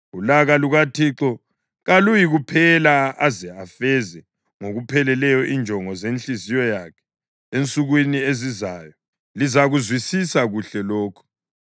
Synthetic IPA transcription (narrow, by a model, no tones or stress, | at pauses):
ulaɣaluɣatʰiǁɔ | ɣalujiɣupʰɛlaazɛafɛzɛ | ŋoɣupʰɛlɛlɛjɔʔind͡ʒʱɔŋɔzent͡ɬʼizijɔjakʰɛ̥ | ent͡sʼuɣwiniezizaːjɔ | lizaɣuzwisisaɣuɬɛloːkʰu̥